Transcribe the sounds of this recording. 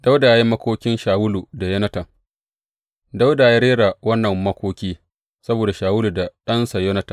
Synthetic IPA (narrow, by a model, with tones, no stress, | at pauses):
da˦wda˨˦ji˦mɐ˦kʷoː˦kʲɪ˦nʃaː˨wʊ˦lu˨da˨jɐ˦nɐ˦tɐ˨ŋ | da˦wda˨ja˦ɽeː˦ɽa˨wɐ˦nːɐ˨mːɐ˦kʷoː˦kʲiː˦ | sɐ˦boː˨da˨ʃaː˨wʊ˦lu˨da˨ɗɐ˦nsa˨jo˦nɐ˦tɐ˨